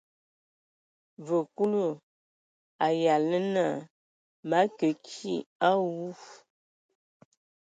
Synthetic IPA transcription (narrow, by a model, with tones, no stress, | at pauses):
və˨ku˦lu˦˨ | a˨ja˨lə˦na˦˨ | ma˨˦kə˨kʰi˦a˦wu˦f